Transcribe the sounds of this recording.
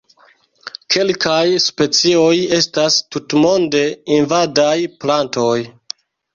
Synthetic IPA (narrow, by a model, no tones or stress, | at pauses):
kʰe̞lkajspe̞t͡sio̞je̞stastutmo̞nde̞invadajplanto̞j